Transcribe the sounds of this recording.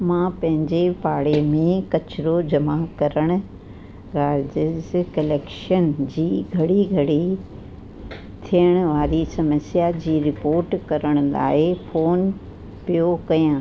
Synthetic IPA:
mãːpɐ̃ɦɪ̃ɲd͡ʑepaːɽemẽkɐt͡ɕɾod͡ʑɐmakɐɾəɽ̃ʊ̆ | ɡaːɾd͡ʑɪzkɐleːkʃənd͡ʑiːɡʱɐɽiɡʱɐɽi | t̪ʰijəɽ̃ʊ̆ʋaːɾisɐməsjad͡ʑiːɾɪpoːɾʈkɐɾəɽ̃ʊ̆la̰ːɪfoːn | pijokɐjãː

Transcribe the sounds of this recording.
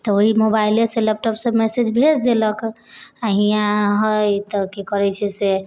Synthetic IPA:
t̪ɔoɦimobaileseləp̚ʈɔpsəmɛsed͡ʒbʱed͡ʒd̪eləkaɦijãɦɔjt̪ɔkekəɾɛt͡ʃʰɛse

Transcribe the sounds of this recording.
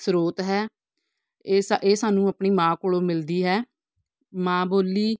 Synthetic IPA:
sɾoːt̪ɦɛː | saʔeːsaːnũːəpɳiːmãːkoːɭoːmɪld̪iːɦɛː | mãːboːliː

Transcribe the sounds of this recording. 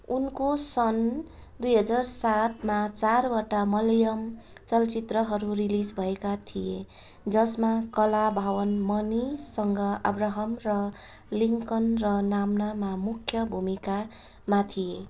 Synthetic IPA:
unkosʌn | d̪ujɦʌd͡zarsat̪ʰmat͡sarwʌʈamʌljʌm | t͡sʌlt͡sit̪rʌɦʌɾurilid͡zbʱʌekat̪ʰije | d͡zʌsmakʌlabʱawʌnmʌnisʌŋɡʌa̰braɦʌmrʌ | liŋkʌnrʌnamnamamukʰːjʌbʱumika | mat̪ʰije

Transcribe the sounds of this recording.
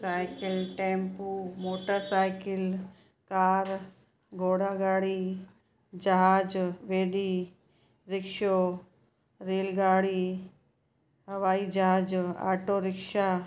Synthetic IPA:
saːɪkɪlʈẽːmpumoːʈəɾsaːjkɪl | kaːɾ | ɡʱoːɽaɡaːɽi | d͡ʒɐɦaːd͡ʒʋeːɖi | ɾɪkʃo | ɾeːlɡaːɽi | ɦɐʋaːid͡ʒɐɦaːd͡ʒa̰ːɾʈoɾɪkʃa

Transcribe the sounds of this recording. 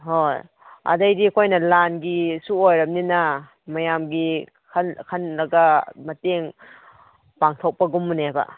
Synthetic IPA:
hoj | a̰dajdikʰojnɐlanɡisuojɾɐmninɐ | mɐjamɡi | kʰankʰanlɐɡɐmɐteŋ | paŋtʰok̚pɐɡumːunebɐ̰

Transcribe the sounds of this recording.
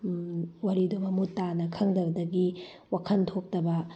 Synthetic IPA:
wɐɾidɐbɐmutanɐkʰɐŋdɐbɐdɐɡi | wakʰɐntʰok̚tɐbɐ

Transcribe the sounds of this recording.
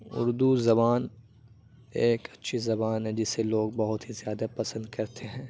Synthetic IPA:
ʊ̰ɾd̪uzɐbaːn | eːkɐtːʃʰizɐbaːnɦɛ̃d͡ʒɪseloːɡ̚bɐɦʊt̪ɦizjaːd̪apɐsə̃nd̪kɐɾt̪ʰeɦɛ̃ː

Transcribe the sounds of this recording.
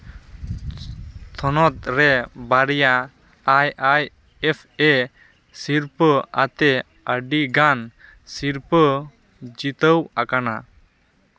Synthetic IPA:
t̪ʰɔnɔt̪̚ɾɛbaɾija | ajaj | ɛpʰɛ | siɾpəat̪ɛ | əɖiɡan | siɾpə | d͡ʒit̪əwakana

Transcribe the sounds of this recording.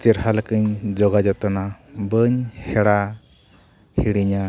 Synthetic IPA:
t͡ʃiɾɦalkɯɲd͡ʒɔɡad͡ʒɔt̪ɔnabɯɲhɛɽa | hiɽiɲa

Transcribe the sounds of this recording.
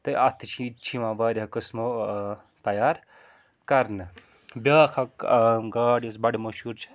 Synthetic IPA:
t̪ɐʔɐt̪ʰit͡ʃʰit͡ʃʰimãːbɐːɾɦɐkɨsmo | t̪ɐjaːɾ | kɐɾnɨ | bʲɐːkʰɐkɡaːɽɐsbɐɽimɐʃuːɾt͡ʃʰ

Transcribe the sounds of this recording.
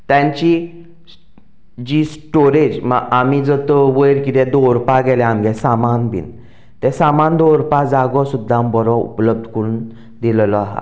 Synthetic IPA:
t̪jãɲt͡ɕi | d͡ʑisʈoɾed͡ʑməamid͡zɔt̪ʋəjɾkit̪ɛ̃d̪oɾupaɡɛlɛ̃amɡɛsamanbʱḭn | t̪ɛ̃samand̪oɾpad͡zaɡɔsud̪ʱːãmbɔɾɔṵpləb̚d̪ʱkəɾuːn | d̪illɔaɦa̰

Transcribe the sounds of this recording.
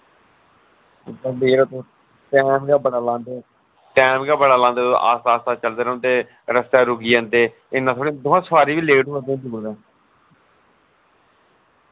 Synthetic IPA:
dəmiːɾot̪oː | ʈɛːmɡaːbəɽaːlãːnd̪eː | ʈɛːmɡaːbəɽaːlãːnd̪eːõ̰ʔa̰ːst̪aːst̪aːt͡ʃəld̪eːɾə̃nt̪eː | ɾəst̪aːɾʊɡiːãːnd̪eː | ɪnːãt̪ʰoːɽeːd̪oãːsəʋaːɾiːʋiːleːɖuːəd̪ẽːd͡ʒuːld̪ẽː

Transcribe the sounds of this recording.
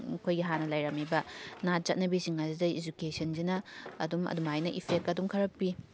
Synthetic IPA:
kʰojɡiɦanɐlajɾɐmibɐnat͡ʃɐt̚nɐbisiŋazidɐid͡ʒukesɐnzinɐːdumɐ̰dumajnɐʔipʰek̚tɐdumkʰɐɾɐpːi

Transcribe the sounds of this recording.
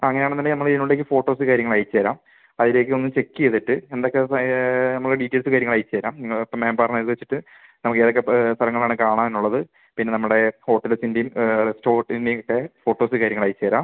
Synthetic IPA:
ɐŋːɐneaːɳenːɐːenɐmːɐɭinːuɭɽek̬ːɨfo̞ːʈːo̞ːsɨkaːɾjɐŋːɐɭaːjt͡ɕːeːɾaːm | ɐðiɾe̞k̬ːɨo̞nːɨmt͡ɕe̞kːijeðiʈːɨend̪o̞kːe̞nɐmːɭɨeɖitːelsɨkaːɾjɐŋɐɭaːjit͡ɕːe̞ːɾaːmniŋːɐɭɐpːɐmeːmbaːrɐnːɐðɨʋet͡ɕːi̥ʈːɨ | nɐmukːe̞ːðokːe̞st̪ʰɐɾɐŋːɐɭaːɳɨkaːɳaːmenːuɭːɐðɨ | pinːe̞nɐmːuɽe̞ho̞ːʈːelsinde̞jumresto̞ːrʈːinde̞jokːe̞fo̞ːʈːo̞ːsɨkaːɾjɐŋɐɭaːjit͡ɕːe̞ːɾaːm

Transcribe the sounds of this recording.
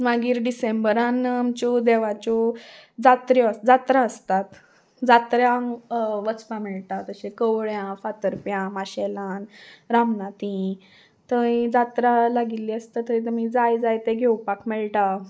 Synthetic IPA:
maɡiːɾɖisembəɾãnamt͡ɕɔd̪eʋat͡ɕɔd͡zat̪ɾjɔəd͡zat̪ɾaəst̪at̪ | d͡zat̪ɾja | ʋət͡spãmɛɭʈ̪at̪əɕekəwɭjãfat̪əɾpjãmaɕelãnɾamnat̪ĩ | t̪əd͡zat̪ɾalaɡilːiəst̪at̪ːəɾĩt̪əmiːd͡zajd͡zajt̪eɡʱewpakmɛɭʈa

